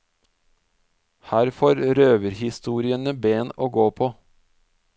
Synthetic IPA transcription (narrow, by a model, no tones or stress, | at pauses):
hæːɾfoːɾɾøːʋəɾhɪst̪uːɾɪənəbeːnoːɡoːpʰoː